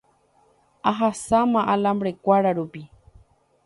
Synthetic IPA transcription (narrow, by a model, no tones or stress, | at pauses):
aɦasamaʔalambɾekʷaɾaɾupi